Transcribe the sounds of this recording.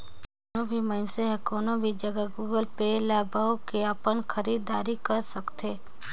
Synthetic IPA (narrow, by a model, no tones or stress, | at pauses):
obʱiməɪnseɦɛkɔːnõbʱid͡ʒɐɡaɡuːɡəlpelaːbaːokeapənxʰəɾiːd̪aːɾikɐɾsɐkt̪eː